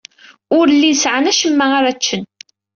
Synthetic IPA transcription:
ʊɾəlːinsʕənæʃəmːæaɾat͡ʃːən

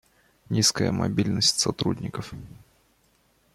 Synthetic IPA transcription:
nʲiskəjə̰mɐ̰bʲilʲnəsʲtʲsɐt̪ɾudʲnʲɪkəf

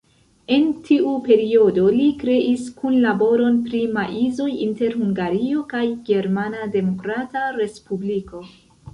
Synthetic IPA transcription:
e̞ntʰiʔupe̞ɾio̞do̞likɾe̞ʔiskunlabo̞ɾo̞npɾimaʔizo̞jinte̞ɾhuŋɡaɾio̞kajɡe̞ɾmanade̞mo̞kɾataɾe̞spubliko̞

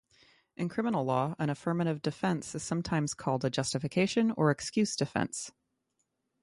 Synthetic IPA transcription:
ʔɨ̃nkʰɹ̥ɪ̃mənl̩ˠlɔə̃ɾ̃ɨfɜ̃˞mɨɾɨvdɨfɛ̃nsɨz̥sʌ̃mtʰãɪ̃mz̥kʰɔlˠdɨd͡ʒʌstɨfɨkʰeɪʃɨ̃nə̰˞ɨkskjʉzd̥ɨfɛ̰̃ns

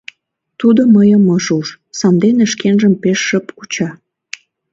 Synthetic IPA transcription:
t̪ud̪oməjəməʒuʃ | sɑnd̪eneʃkenʒəmpeʃːəpkut͡ɕɑ

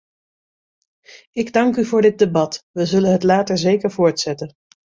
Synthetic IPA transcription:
ɪɡdɑŋkyvʊːɹdɪt̚debɑtʋəzɵlənɦətlaːtəɹzejkəɹvʊːɹtsɛtə

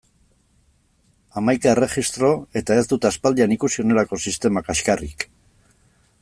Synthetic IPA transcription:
amajkaere̞χist̪ɾo̞e̞t̪ae̞zd̪ut̪easpald̪ianikusio̞ne̞lako̞sist̪e̞makaʃkarik

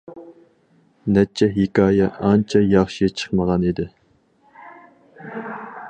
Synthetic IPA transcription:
nɛt͡ʃʰːɛɦikʲɑːjɛɑnt͡ʃʰɑjɑχʃit͡ʃʰə̥χməʁɑnid̪ɪ

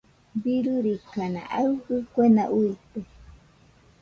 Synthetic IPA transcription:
biɾuɾikana̰ʔawkɨkʷenaʔujt̪e

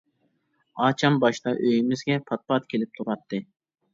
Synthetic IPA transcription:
ɑːt͡ʃʰɑmbɑʃt̪ɑʔøjimɪzɡʲɛpʰɑt̪̚pɑt̪̚kʲʰelɪp̚t̪ʰuɾɑt̪ʰːɨ

